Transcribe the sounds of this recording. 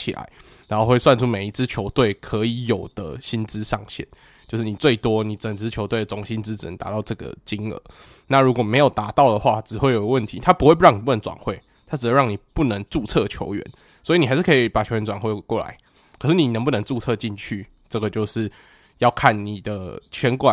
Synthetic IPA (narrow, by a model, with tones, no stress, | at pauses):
t͡ɕʰi˨la̰˧˦ɪ | ɻa˧˥nxo˥˧ʊxwe˥˧ɪswa˥˧nʈ͡ʂʰu˥me˨˩ɪi˧˥t͡sɹ̩˥˦t͡ɕʰjo˧˥ʊt̪we˥˩ɪkʰə˧˦i˧˦jo˨˩ʊd̪̥ə̰˦ɕi˦nt͡sɻ̩˥˦ʂɑ˥˧ŋɕjɛ̰˥˩n | t͡ɕjo˥˧ʊʂɻ̩˥˩ni˨˩t͡swe˥˩ɪt̪wɔ˦ni˨˩t͡sə˨˩ŋt͡sɹ̩˧˥t͡ɕʰjo˧˥ʊt̪we˥˩ə˩t͡sɔ˧˥ŋɕi˦nt͡sɻ̩˥˦t͡s̩˨˩ə˨˩t̪a̰˧˥t̪ɑ˥˧ʊʈ͡ʂɤ˥˩ɡə̰˩t͡ɕi˦˥ŋə̰˧˦ | na˥˨ɻu˧˥kwɔ˨˩me˧˥ɪjo˨˩ʊt̪a˧˥t̪ɑ˥˨ʊd̪ə˩xwa˥˧ʈ͡ʂɻ̩˨˩we˥˩ɪjo˨˩ɡə˦wə˥˩nt̪ʰi˨˦t̪ʰa˥pu˧˥we˥˧pu˥ɻɑ˥˩ŋni˨pu˥˩nə˧˦nt͡swa̰˨˩nxwe˥˩ɪ | t̪ʰa˥t͡s̩˨˩˧ɻɑ˥˩ni˨˩pu˥˩nə˧˦ŋt͡su˥˧t͡sʰɤ˥˨t͡ɕʰjo̰˧˥ʊɥɛ̰˧˦n | swɔ˧˥i˨˩ni˨˩a˧˥ʂ̩ɻ̩˥˩kʰi˨˩pa˨˩t͡ɕʰo˧ʊɥɛ˧˥nt͡swa˨˩nxwe˥˧kwɔ˥˩la̰˧˦ɪ | kʰə˨˩ʂɻ̩˥˩ni˨˩nə˧˦ŋp̬u˥˨nə˧˦ŋt͡su˥˧t͡sʰɤ˥˧t͡ɕi˥˧nt͡ɕʰy˥˩ | ʈ͡ʂə˥˩ɡə˩t͡ɕjo˥˧ʊʂɻ̩˥˩ | jɑ˥˧ʊkʰa˥˩nni˨˩d̪ə˦t͡ɕʰɥɛ˧˥nkwa˨